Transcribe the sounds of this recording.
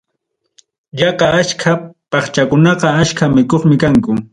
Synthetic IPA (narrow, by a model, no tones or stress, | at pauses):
ʎɑqaaskʰapɑχt͡ʃakʊnɑqɑaʃkamɪkoχmɪkaŋkʊ